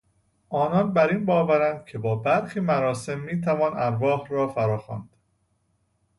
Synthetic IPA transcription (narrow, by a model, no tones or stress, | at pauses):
ʔɒːnɒnbæɾiːnbɒːvæɾænd̪̥̚cʰe̞bɒːbæɾxiːmæɾɒːse̞mːiːt̪ʰævɒːnæɾvɒːhɾɒːfæɾɒːxɒːnd̪̥